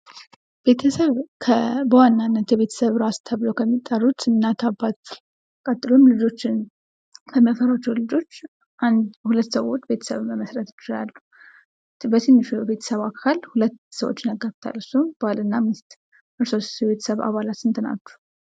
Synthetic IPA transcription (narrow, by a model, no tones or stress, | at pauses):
b̥e̞t̪ʰəsəβkʰəbəwanːanːət̪jɛβe̞t̪ʰə̥səβɾast̪ʰəβlowkʰəmːit̪ʼːərːut̪ɨnːat̪ʰabːat̪ | kʼət̪ʼɨlunlɨd͡ʒo̞t͡ʃːɪn | kʰəməfəɾat͡ʃːɛwlɨd͡ʒo̞t͡ʃː | ʔand̪hulət̪ːsəwo̞t͡ʃːbe̞t̪ʰə̥sə̰βməməsɾət̪ɪ̥t͡ʃːɪla̰lːu | bət̪ʰɨnːɨʃube̞t̪ʰə̥səβakʰalhulət̪ːsəwo̰t͡ʃːnəɡaft̪ʰa̰lɨsob̥alɨnːamɨst̪ | ʔɨɾso̞sjɛβe̞t̪ʰə̥səβa̰βalat̪ɨnt̪ʰɨna̰t͡ʃːu̥